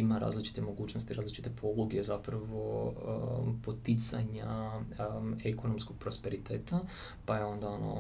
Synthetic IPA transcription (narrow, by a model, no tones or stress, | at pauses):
imaɾa̰ːzlit͡ʃi̥t̪e̞mo̞ɡuːt͡ɕnost̪iɾaːzlit͡ʃi̥t̪epʰo̞lˠuɡezapɾaʋo | po̞t̪it̪sa̰ɲa | eko̞nomsko̞ɡ̥̚pɾo̞spe̞ɾit̪eːt̪a | pajeo̞nd̪ao̞no̰